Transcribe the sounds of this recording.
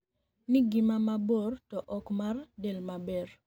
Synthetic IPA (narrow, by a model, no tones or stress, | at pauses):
nɪɡɪmamabortɔʔɔkmardelmabɛr